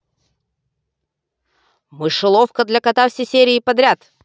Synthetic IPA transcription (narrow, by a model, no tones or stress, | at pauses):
mɨʂɨlˠofkəd̪lʲɐkɐt̪afsʲejsʲeɾʲɪːpɐd̪ɾʲat̪